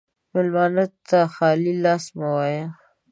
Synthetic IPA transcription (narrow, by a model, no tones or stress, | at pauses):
mɪlmɑnat̪ːaxɑlilɑsmawɑja